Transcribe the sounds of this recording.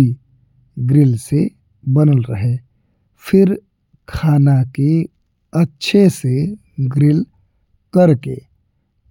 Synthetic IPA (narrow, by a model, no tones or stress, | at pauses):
i | ɡɾɪlse | bɐnəlɾəɦeː | fʰɪɾ | kʰaːnake | ɐtːʃʰese | ɡɾɪl | kɐɾkḛː